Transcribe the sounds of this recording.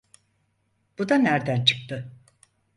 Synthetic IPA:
b̥ud̪anæɾd̪ænt͡ʃʰɯ̥k̚t̪ʰɯ

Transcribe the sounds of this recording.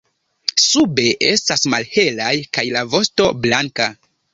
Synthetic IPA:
sube̞ʔe̞stasmalhe̞lajkajlavo̞sto̞blaŋka

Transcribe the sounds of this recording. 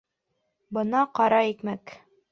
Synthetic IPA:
bɤ̆nɑqɑɾɑikmæk

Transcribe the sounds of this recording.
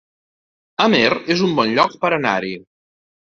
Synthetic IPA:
əmerezumbɔnʎɔk̚pəɾəna̰ɾi

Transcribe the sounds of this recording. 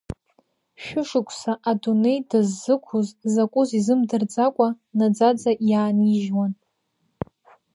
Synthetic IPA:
ʃᶣʊʂɨkʷʼʰsaʔadune̞jdɨzːɨkʷʰuzzakʷʼʊzizɨmdɨrd͡zakʷʼa | nad͡zad͡zaʔjaːniʒwan

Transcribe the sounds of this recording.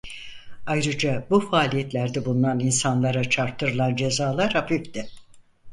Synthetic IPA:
ajɾɯd͡ʒabufaːlʲijɛt̪lʲæɾd̪ɛbulˠunaninsanlˠaɾat͡ʃʰaɾt̪ʰːɯɾɯlˠand͡ʒe̞zaːlˠaɾhafifd̪ɪ

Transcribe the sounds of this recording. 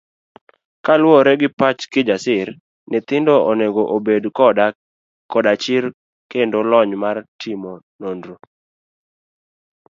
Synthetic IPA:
kalwoɾɛɡɪpat͡ʃkɪd͡ʒasɪɾ | nɪt̪ɪndooneɡoʔobedkɔda | kɔdat͡ʃɪɾ | kendolɔɲmartʰɪmo | nondɾo

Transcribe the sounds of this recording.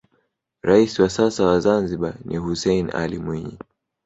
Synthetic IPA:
ɾaisiwasasawazanziɓanihusɛina̰limwiɲḭ

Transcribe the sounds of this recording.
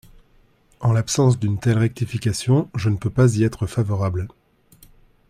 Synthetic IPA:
ɑ̃lapsɑ̃s̬d̪ynt̪ɛlʁɛk̚t̪ifikʲasjɔ̃ʒənəpøpaziɛt̪χəfavɔʁabl

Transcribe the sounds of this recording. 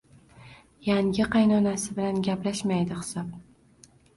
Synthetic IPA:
jaŋɡʲɪqʰɑjnɒnasɪbɪlanɡʲaplaʃmajd̪ɪχɪ̥sɒp̚

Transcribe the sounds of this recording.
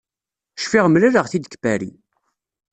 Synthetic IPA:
ʃfiʁmlæɾəʁθid̪əkbæɾḭ

